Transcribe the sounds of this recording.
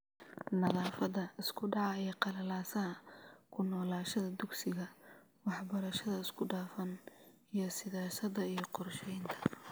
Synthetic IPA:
nɐðaːfɐðɐɪskʰʊɖɑʕɑɛjqɑlɐlaːsɐɦɐkʰʊnɔːlaːʃɐðɐd̪ʊɡsɪɣɐ | wɑħbɐɾɐʃɐðɐɪskʰʊɖaːfɐn | ijɞsɪðaːsɐd̪ɐijɞqɔrʃɛjnt̪ʰɐ̥

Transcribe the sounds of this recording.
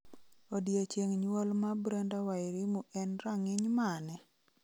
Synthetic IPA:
odjat͡ʃeŋɲwolmabɾandawaɪɾimuʔɛnɾaŋɪɲmanɛ

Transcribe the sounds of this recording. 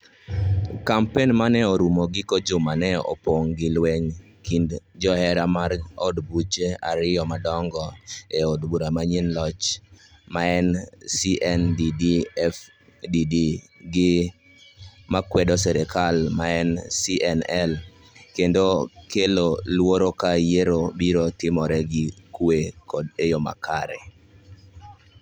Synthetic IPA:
kampenmanɛoɾumoɡɪkod͡ʒomanɛɔ̰poŋɡɪlwɛɲ | kindd͡ʒɔɛɾamarodbut͡ʃeaɾɪɔmadɔŋɡɔeodbuɾamaɲinlɔt͡ʃ | maɛnsiʔɛndidiɛf | didi | ɡɪ | makwɛdɔsɛɾɛkalmaɛnsiʔɛnɛl | kendokelolwoɾokajeɾobiɾotɪmɔɾɛɡɪkwekɔdejoma̰kʰaɾɛ̰

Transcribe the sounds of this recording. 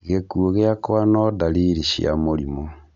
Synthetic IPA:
ɣekuoɣeakwanɔdaliɾiʃḭa̰moɾimo

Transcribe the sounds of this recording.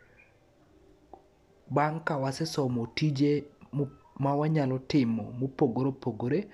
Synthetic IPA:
baŋkawasɛsɔmotid͡ʒe | mawaɲalɔtɪmɔmopoɡoɾepoɡoɾe

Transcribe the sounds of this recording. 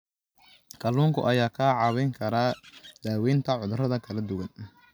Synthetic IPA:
kʰɐlːuːŋkʰʊ̰ʔɐjaːkʰaːʕɑβɛjŋkʰɐɾaːd̪aːwɛjnt̪ʰɐʕʊðrɐðɐkʰɐlɐd̪ʊɣɐn

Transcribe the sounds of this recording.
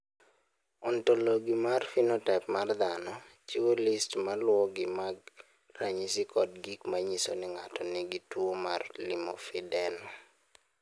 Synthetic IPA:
ɔntɔloɡimarfinɔtɛpmard̪anɔ | t͡ʃiwolɪstmalwɔɡɪmaɡ̚ | ɾaɲisɪkʰɔdɡikmaɲisonɪŋatʰɔnɪɡitwomarlimɔ̰fɪdɛn

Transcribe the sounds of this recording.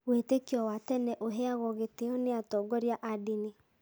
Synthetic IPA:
wetekiɔwatɛnɛʔoɦɛaɣɔɣeteɔneatɔːɡɔɾjaʔadine

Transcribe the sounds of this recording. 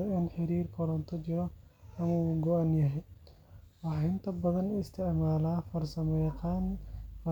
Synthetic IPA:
ɐnħɪɾiːrkʰɔlɔnt̪ʰɔt͡ʃɪɾɔɐmuːɡɔʔɐnjɐɦɛj | wɑħɑhɪnt̪ʰɐbɐðɐnɪst̪ʰɪʕmaːlaːfɐrsɐmɛjqaːnf

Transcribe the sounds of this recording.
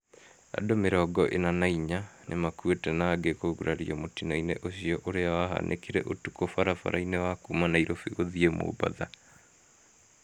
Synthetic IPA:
a̰domeɾɔɡɔʔenanaiɲanʔemakuetɛnaːɡekoɣuɾaɾiɔmotinainḛʔoɕiɔʔoɾeawaɦa̰nʔḛkiɾɛ̰ʔotukofaɾafa̰ɾainɛwakumanaiɾofiɣoðiemo̰ːba̰ða

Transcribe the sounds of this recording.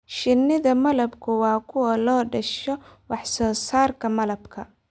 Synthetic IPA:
ʃɪnɪðɐmɐlɐbkʰʊwɑːkʰʊwɐlɔːɖɐʃɔwɑħsɔːsaːrkʰɐmɐlɐbkʰɐ

